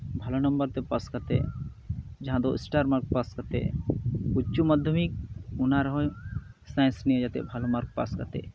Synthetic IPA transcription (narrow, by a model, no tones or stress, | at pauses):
bʱalɔnɔmbəɾt̪ɛpaskat̪ḛ | d͡ʒaɦãd̪ɔḭsʈaɾmaɾk̚paskat̪ḛ | ut͡ʃumad̪ʱjɔmik̚unaɾɔɦɔj | saj̃nsnijed͡ʒat̪ɛ̰bʱalɔmaɾk̚pa̰ska̰t̪ḛ